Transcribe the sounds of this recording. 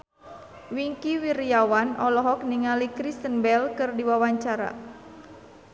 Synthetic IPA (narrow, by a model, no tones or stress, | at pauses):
wiŋkiwiɾijawanɔlɔɦɔk̚niŋalikɾist̪ənbɛlkɨrdiwawaɲt͡ʃaɾa̰